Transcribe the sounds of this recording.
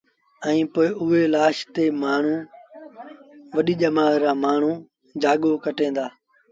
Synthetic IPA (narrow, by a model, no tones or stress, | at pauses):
ɛ̃ːpoːɪʔʊɦeːlaːʃt̪eːmaːɳ̤ũː | ʋəɗiːʄəmaːɾãːmaːɳ̤ũː | d͡ʒaːɠoːkəʈẽːnd̪aː